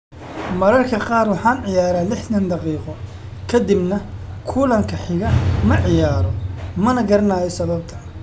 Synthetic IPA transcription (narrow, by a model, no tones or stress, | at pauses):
mɐɾɐrkʰɐqɑːrwɑħɑːnʕɪjaːɾaːlɪħt̪ɐnd̪ɑqiːqɔ | kʰɐd̪ɪbnɐkʰʊːlɐŋkʰɐħɪɣɐmɐʕɪjaːɾɔmɐnɐɡɐɾɐnaːjɛsɐβɐb̚t̪ʰɐ